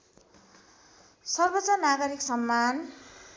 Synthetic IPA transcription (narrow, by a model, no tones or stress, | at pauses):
sʌrbʌt͡sʌnaɡʌɾiksʌmːan